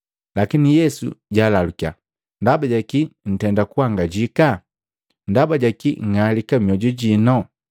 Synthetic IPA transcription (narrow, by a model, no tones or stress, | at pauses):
lakinijɛsṵɟaːlalukia̰ | ndabaɟakin̩tɛndakuwaŋɡaɟika | ndabaɟakiŋŋalikamiɔɟuɟinɔ